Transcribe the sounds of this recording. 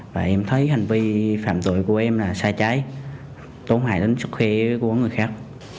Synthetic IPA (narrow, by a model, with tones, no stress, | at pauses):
vaː˨˩ʔɛ˧mt̪ʰə˨˦jha˨˩ŋ̟vi˧faː˧˨mt̪ṵ˧˨jku˧˩əʔɛ˧mlaː˨˩saː˧t͡ɕaː˨˦j | t̪o˨˦nha̰ː˧˨jɗə˨˦n̟sɨ˦˥k̚xwi˧˦kɔ˨˦jŋɨ˨˩əjxaː˦˥k̚